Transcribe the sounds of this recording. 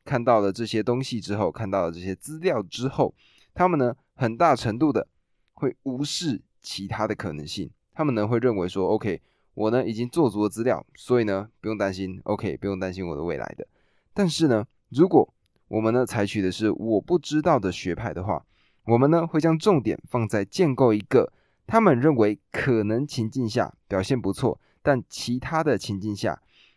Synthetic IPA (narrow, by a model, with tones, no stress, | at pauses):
kʰa˥˧nt̪ɑ˥˩ʊlə˩ʈ͡ʂɤ˥˩ɕjɛ˥t̪ʊ˥ŋɕi˨ʈ͡ʂɻ̩˥xo˥˧ʊkʰa˥˧nt̪ɑ˥˩ʊlə˨˩ʈ͡ʂɤ˥˩ɕjɛ˥t͡sɹ̩˥ljɑ˥˩ʊʈ͡ʂɻ̩˥xo˥˩ʊ | t̪ʰa˥mə˨nə˩ | xə˨˩nt̪a˥˩ʈ͡ʂʰə˧˥ŋt̪u˥˩d̪ə˩ | xwe˥˩ɪu˧˥ʂɻ̩˥˩ | t͡ɕʰi˧˥t̪ʰa˥d̪ə˨˩kʰɤ˨˩nə˧˦ŋɕḭ˥˩ŋ | t̪ʰa˥mə˨nə˨xwe˥˧ɪɻə˥˩nwe˧˥ɪʂwɔ˥o˥˧ʊkʰe˥ɪ | wʔɔ˨˩nə˦ʔi˨˩t͡ɕi˥ŋt͡swɔ˥˩t͡su˧˥t͡sɹ̩˥ljɑ̰˥˩ʊswɔ˧˥i˨˩nə˩pu˧˥jʊ˥˩ŋt̪a˥nɕi˦˥nʔo̰˧˥ʊkʰe˥ɪpu˧jʊ˥˩ŋt̪a˥nɕi˥nwɔ˨d̪ə˦we˥˩ɪla̰˧˥ɪd̪ə̰˧ | t̪a˥˧nʂɻ̩˥˩nə˩ | ɻu˧˥kwɔ˨˩˦ | wʔɔ˨˩mə˨˦nə˦t͡sʰa˧˥ɪt͡ɕʰy˨˩d̪ə˦ʂɻ̩˥˩wɔ˨˩pu˥˩ʈ͡ʂɻ̩˥t̪ɑ˥˩ʊd̪ə˩ɕɥɛ˧˥pʰa˥˩ɪd̪ə˩xwa̰˥˩ | wɔ˨˩mə˨nnə˨xwe˥˩ɪt͡ɕjɑ˥ŋʈ͡ʂʊ˥˩ŋt̪jɛ̰˨˩nfɑ˥˧ŋt͡sa˥˩ɪt͡ɕjɛ˥˧nko˥˩ʊi˧˥ɡə˧˨ | t̪ʰa˥mə˨nɻə˥˩nwe˧˥ɪkʰɤ˨˩nə˧˥ŋt͡ɕʰi˧˥ŋt͡ɕi˥˧nɕja̰˥˩pjɑ˨˩ʊɕjɛ˥˩npu˧˥t͡sʰwɔ̰˥˩ | t̪a˥˩nt͡ɕʰi˧˥t̪ʰa˥d̪ə˨t͡ɕʰi˧˥nt͡ɕi˥˧nɕja̰˥˩